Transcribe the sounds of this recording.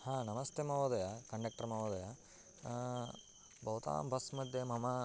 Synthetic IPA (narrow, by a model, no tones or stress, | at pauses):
hãːnɐmɐst̪ʰemɐʋɐd̪ɐjakɐɳɖɐk̚ʈɐɾɐmɐʋɐd̪ɐja | bʱɐwt̪a̰ːmbʱɐsmɐd̪ʱjemɐmɐ